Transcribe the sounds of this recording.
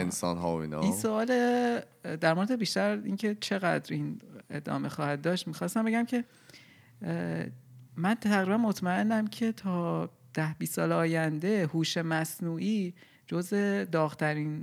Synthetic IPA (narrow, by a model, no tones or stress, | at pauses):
ensɒ̰nɦɒ̰ːo̰ḭːnɒ̰inssoɒːle | d̪æɾmo̞ɾed̪ebiʃt̪æɾḭncʰe̞t͡ʃʰe̞ɣæd̪ɾʔiːne̞̰d̪ɒ̰ːme̞xɒːhæd̪̚d̪ɒːʃt̪mixɒːst̪æmbeɟæmcʰe̞ | mænt̪æɣɾibænmo̞t̪ʰmæe̞nːæmcʰe̞t̪ʰɒː | d̪̥æhbisːɒːleɒːjænd̪e̞huːʃe̞mæsnuːʔiː | d͡ʒoze̞d̪ɒːɣt̪ʰæɾiːn